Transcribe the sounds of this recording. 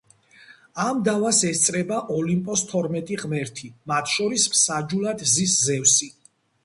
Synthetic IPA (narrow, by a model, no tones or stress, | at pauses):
amd̪avasɛst̪sʼɾɛbaʔɔlimpʼɔst̪ʰɔɾmɛt̪ʼiʁmɛɾt̪ʰimat̪ʰʃɔɾismsad͡ʒulˠad̪ziszɛwsi